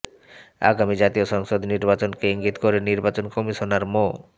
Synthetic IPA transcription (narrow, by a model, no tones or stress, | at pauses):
a̰ɡamid͡ʑat̪ioʃɔŋʃod̪niɾbat͡ɕonkeiŋɡit̪koɾeniɾbat͡ɕonkomiʃonaɾmo